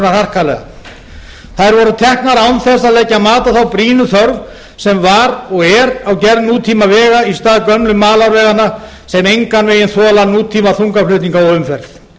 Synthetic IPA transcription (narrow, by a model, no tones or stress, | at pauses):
nar̥har̥kalɛ̰ɣa̰ | θaðɾvɔɾʏt̪ʰɛhknaɾawnθɛsaðlɛcːamaːt̪aθawpɾiːnʏθœɾv | sɛmvaɾɔɣɛɾawcɛɾðnuːt̪ʰiːmavɛːɣaist̪aːðkœmlʏmaːlaɾvɛːɣana | sɛmejŋkanvɪjɪnθɔːlanuːt̪ʰiːmaθuŋkaflʏht̪niŋkaɔʏmfɛɾθ